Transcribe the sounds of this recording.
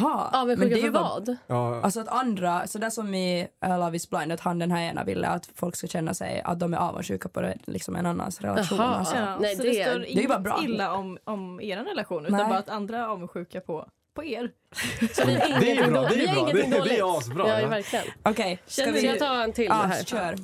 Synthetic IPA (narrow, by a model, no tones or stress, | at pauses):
ɦɑɑːvɛnmɛʉːkadɛjvɑ̰ːd̪alsɔat̪ʰand̪ɾasɔd̪æːʂɔmːɪʔɛlɑvɪsblaɪnd̪ət̪hand̪ɛnɦæɾeːna̰vɪ̰lːə̰a̰t̪fɔlkskaɕɛnːa̰sɛ̰ja̰t̪̚d̪ɔmæɾɑ̰ːvə̰nɧʉ̟ːkapʰɔd̪ɛlɪ̰ksɔmɛ̰nanːa̰nsɾɛ̰laɧɧuːna̰lsɔɛdɔdɛst̪oːɾɪd̪ɛɾjʉbɑːɾabɾɑ̰ːɪlːaɔmɔmeːɾanɾɛlaɧuːnʉːnanbɑːɾat̪and̪ɾaɾɑːvɛnɧʉ̟ːkapʰɔ | pʰɔeːɾ | sɔɪŋːd̪ɛɪŋːnd̪d̪sbɾɑɑvæɾklɪə̰nʔɔkʰɛjaɪat̪ʰɑːɛnt̪ʰɪlɑhæːɾɕœːɾ